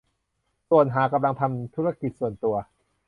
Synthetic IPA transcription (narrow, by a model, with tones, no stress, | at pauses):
su˨˩ən̚ɦaː˩˦ka˧mla˧ŋt̪ʰa˧mt̪ʰu˦˥ɾa˧ki˨˩t̪̚su˨˩ənt̪u˧ɐ